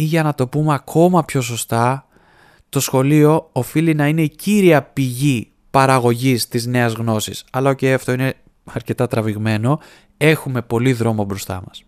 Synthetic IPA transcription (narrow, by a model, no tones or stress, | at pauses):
iʝɐnɐt̪o̞pumeɐkʰo̞mɐpço̞s̬o̞st̪ɐ | t̪o̞sxo̞lio̞ːfilinɐineiciɾiɐpiʝi | pɐɾɐɣo̞ʝist̪izne̞ɐzɣno̞sisɐlɐocejɐft̪o̞ine̞ | ɐɾce̞t̪ɐt̪ɾɐviɣme̞no̞ | e̞xume̞po̞liðɾo̞mo̞bɾo̞st̪ɐ̰mɐs